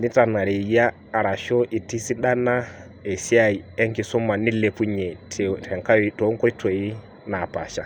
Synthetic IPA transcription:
ni˦ta˨na˨ɾe˨jaː˦˨ɾa˨ʃo˦ʔi˨ti˦si˦ɗa˦na˦ | e˨si˦a˨i˨e˦ŋki˨sɔ˦ma˨ni˦le˨pu˦ɲe˨tʰe˨tʰɛ˨ŋka˦jto˨˦ŋ˦ko˦i˦tʰo˨i˦ | na˨pa̰˨ʃa˨

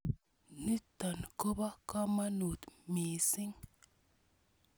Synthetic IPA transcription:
ni˦t̪a˨nko˦ba˦ka˦ma˦nu˨t̪mi˨si˦ŋ

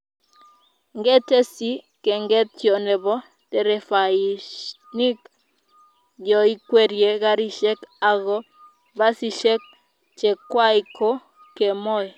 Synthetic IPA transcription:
ŋɡɛ˦te˦si˦ | ke˨ŋɡɛ˦t̪jo˨nɛ˨bɔ˦ | te˦ɾɛ˨fa˨i˨ | ni˦k | d͡ʒɔ˨i˦kwe˦ɾje˨ɡa˦ɾi˦˨ʃɛ˦ka˨ɡɔ˦ | ba˦si˦ʃɛ˦k̚ | t͡ʃe˨kwa˦i˨ko˦ | ke˨mɔ˦j

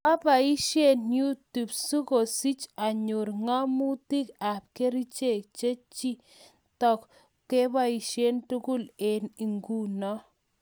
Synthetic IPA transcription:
a˦ba˨i˦ʃje˦˨nju˦tu˨bsu˦ko˨si˦t͡ʃa˨ɲu˨ɾŋa˦mu˦ti˦ka˨p̚ke˦ɾi˦t͡ʃe˦˨k̚t͡ʃe˦t͡ʃi˦ | tɔ˦˨k | kːe˦ba˦i˨ʃe˦ntu˦ku˦le˨ni˨ŋɡu˦nɔ˦

